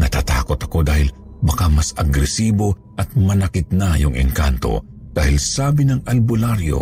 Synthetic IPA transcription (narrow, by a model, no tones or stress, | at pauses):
nɐt̪aːt̪a̰ːko̞t̪ɐko̞d̪aːhɪl | bɐkamɐsɐɡɾɛsiːbo̞ | ʔɐt̪̚mɐnɐkɪt̪̚najʊŋɪ̰ŋkant̪o̞̰ | d̪̥aːhɪlsaːbɪnɐŋɐlbʊlaɾjo̰